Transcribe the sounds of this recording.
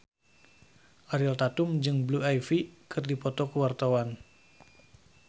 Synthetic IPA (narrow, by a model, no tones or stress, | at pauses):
ʔaɾilt̪at̪ʊmd͡ʒɨŋbluajfikʰɨrdipɔt̪ɔkəwart̪awan